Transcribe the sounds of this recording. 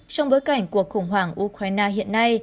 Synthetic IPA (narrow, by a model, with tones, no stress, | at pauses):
t͡ɕɔ˧wŋ͡mɓo˨˦jka˧˩jŋ̟ku˧˨˩ək̚xʊ˧˩ŋ͡mɦwaː˧˩ŋʔu˧kɾaː˧jnaː˧ɦḭ˧˨ənːa˧j